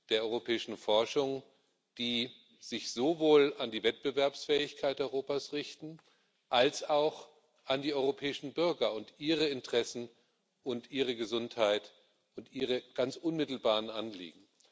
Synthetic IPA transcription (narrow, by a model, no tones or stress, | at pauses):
d̥eːɐʔɔʏʁopʰɛːɪʃn̩fɔɐʃʊŋ | d̥iː | z̥ɪçz̥ovoːlandiːvɛt̚b̥əvɛɐpsfɛːɪçkʰaɪtʔɔʏʁoːpaːsʁɪçtn̩ | ʔalsaʊx | ʔandiːʔɔʏʁopʰɛːɪʃn̩bʏɐɡɐʊntʔiːʁəɪntəʁ̥ɛsn̩ | ʔʊntʔiːʁ̞əɡəzʊnthaɪt | ʊntʔiːʁ̞əɡ̥ant͡sʔʊnmɪtl̩baːʁənʔanlḭːɡŋ̩